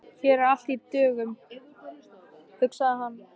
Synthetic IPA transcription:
çɛɾɾal̥t̪it̪œːɣʏm | hʏksaðɪɦanː

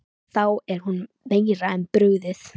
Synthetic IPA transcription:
θawɛɾ̥hun | mejɾaɛnpɾʏɣðɪθ

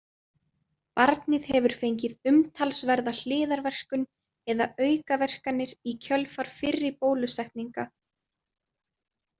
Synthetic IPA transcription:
paɾt̪nɪðɛvʏɾ̥fejɲcɪðʏmt̪ʰalsvɛɾðal̥ɪːðaɾvɛr̥kʏn | ɛða̰œːɥkavɛr̥kanːɪɾicʰœlfaɾ̥fɪrːɪɾpoːwlʏsɛht̪niŋka

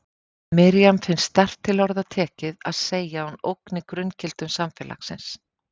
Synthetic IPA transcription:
mɪɾijamfɪnst̪ɛr̥t̪ʰːɪlɔɾðat̪ʰɛːcɪðaðseːjaano̰wknɪkɾʏncɪl̥t̪ʏmsamfɛla̰xsɪ̰ns

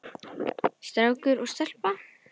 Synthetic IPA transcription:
st̪ɾawkʏɾɔst̪ɛl̥pa

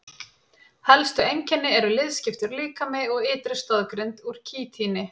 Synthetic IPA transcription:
hɛlst̪ʏejɲcɛnːɪɛɾʏlɪðscɪft̪ʏɾliːkamɛɔɣɪːt̪ɾɪst̪ɔðkɾɪnt̪uɾ̥cʰiːt̪ʰiːnɪ

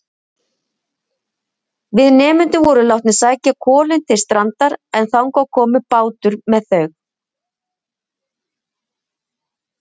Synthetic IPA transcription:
vɪðnɛːmʏnt̪ɪvɔɾʏlawht̪nɪ̥saːjcakʰɔːlɪnt̪ʰɪlst̪ɾant̪aɾɛnθawŋkawkʰɔːmʏpaːwt̪ʏɾmɛðθœɥx

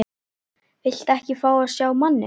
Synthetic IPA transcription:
vɪl̥t̪ɛhcɪfaːwaðsjaːwmanːɪ̰

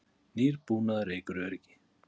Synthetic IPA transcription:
niɾpunaɾekuɾeɾɡi̥

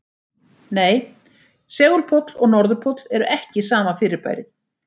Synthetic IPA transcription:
neːj | sɛːɣʏlpʰɔt̪lɔɣnɔɾðʏpʰɔt̪l̥ɛɾʏʔɛhcɪsaːmafɪːɾɪɾpa̰ːjɾɪð

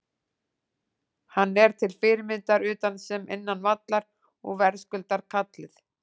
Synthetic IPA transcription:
hanːɛɾ̥t̪ʰɪlfɪːɾɪmɪnt̪aɾʏːt̪ansɛmʔɪ̰nːanvat̪laɾ | ɔ̰ɣvɛɾ̥skʏlt̪aɾ̥kʰat̪lɪθ

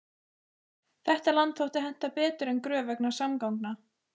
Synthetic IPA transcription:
θɛht̪alant̪θowht̪ɪɦɛn̥t̪apɛːt̪ʏɾɛnkɾœːvɛknḁsamkawŋkna

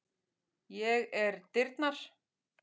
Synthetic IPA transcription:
jɛɣɛɾt̪ɪɾt̪naɾ̥

